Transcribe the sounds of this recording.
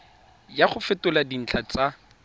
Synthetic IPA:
jaχʊfɪtʊladin̩t͡ɬʰat͡sa

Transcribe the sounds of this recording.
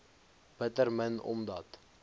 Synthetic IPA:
b̥ətərmənɔ̰mdɐt

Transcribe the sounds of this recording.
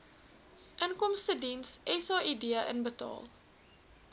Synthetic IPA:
ʔənkɔmstədinsɛsɑʔidiəʔənbətɑ̰ːlˠ

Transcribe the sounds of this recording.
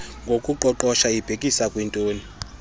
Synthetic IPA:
ŋɡʱokʼuǃɔǃɔʃaib̥ʱekʼisakʼwintʼoːni

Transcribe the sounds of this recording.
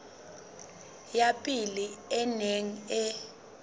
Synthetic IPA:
japʼiliɛneŋ̩ɛ

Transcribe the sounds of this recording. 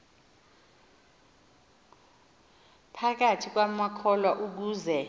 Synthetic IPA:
pʰak̬atʰik̬wamakʰɔlwaʔuk̬uːzɛ

